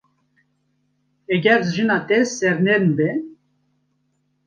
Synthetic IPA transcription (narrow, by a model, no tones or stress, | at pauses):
ɛɡɛɾzʒɨnɑːt̪ɛssɛɾneɾɨnbɛ